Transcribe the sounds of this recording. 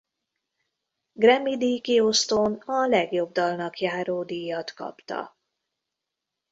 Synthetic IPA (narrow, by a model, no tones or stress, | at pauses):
ɡrɛmid̪iːkiost̪onɒlɛɡjo̞b̚d̪ɒlnɒkjaːɾoːd̪ijɒt̪kɒ̰pt̪ɒ̰